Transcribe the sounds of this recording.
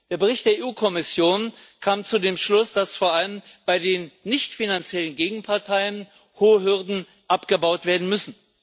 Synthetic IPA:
d̥eːɐbəʁ̞ɪçtd̥eːɐʔeːuːkʰɔmɪsjoːnkʰaːmt͡sudeːmʃlʊsd̥asfoːɐʔaləmb̥aɪdeːnːɪçtfinant͡sjɛlənɡeːɡŋ̩pʰaɐtʰaɪən | hoːɦʏɐdn̩ | ʔapɡ̥əbaʊtv̥eːɐdn̩mʏsn̩

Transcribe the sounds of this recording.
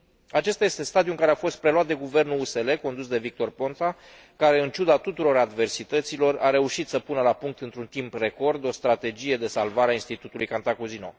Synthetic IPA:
at͡ʃe̞st̪aje̞st̪e̞st̪ad̪iuŋkaɾe̞afo̞st̪̚pɾe̞lwat̪̚d̪e̞ɡuve̞rnuluse̞le̞ko̞nd̪usd̪e̞vik̚t̪o̞rpo̞nt̪a | kaɾe̞ɨnt͡ʃud̪at̪ut̪uɾo̞ɾad̪ve̞rsit̪ət̪silo̞raɾe̞uʃit̪səpunəlapuŋk̚t̪ɨnt̪ɾunt̪impre̞ko̞rd̪o̞st̪ɾat̪e̞d͡ʒije̞d̪e̞salvaɾeainst̪it̪ut̪ulujkant̪akuzino̞̰

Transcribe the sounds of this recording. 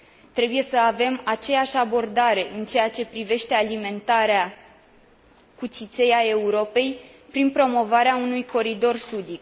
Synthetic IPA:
t̪ɾe̞buje̞səave̞mat͡ʃe̞jaʃʲabo̞rd̪aɾe̞ʔɨnt͡ʃe̞jat͡ʃe̞pɾive̞ʃt̪e̞alime̞nt̪aɾea | kut̪t͡ʃ̪it̪se̞jae̞uɾo̞pe̞jpɾinpɾo̞mo̞vaɾeaunujko̞ɾid̪o̞rsud̪ik

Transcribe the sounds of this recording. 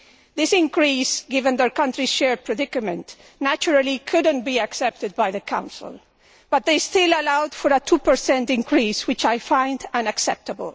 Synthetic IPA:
ðɪsɪ̃ŋkɾisɡɪvə̃nðəɹkʌ̃ntɹiʃɛɹd̚pʰɹɛdɪkɨmɨ̃nt | næt͡ʃuɾalikʰʊdə̃nbiaksɛp̚tɨd̪̚bajðəkʰã̰ʊw̃nslˠ | b̥ʌt̪̚ðejstɪlalawd̥fɔɾətʰupə˞sɛ̃ntɪ̃ŋkʰɹiswɪt͡ʃajfãj̃ndãnaksɛp̚t̪əbə̰l

